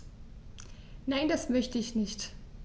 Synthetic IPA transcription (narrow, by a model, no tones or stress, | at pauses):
naɪndasmœçtəɪçnɪçt